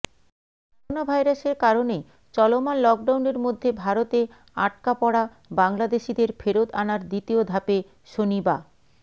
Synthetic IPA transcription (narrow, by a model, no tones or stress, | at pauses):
kɔɔonabʱajɾaʃeɾkaɾone | t͡ɕɔlomanlɔk̚ɖawneɾmod̪ʱːebʱaɾot̪e | a̰ʈ̚kapɔɽa | baŋlad̪eʃid̪eɾfeɾod̪anaɾd̪it̪iod̪ʱape | ʃoniba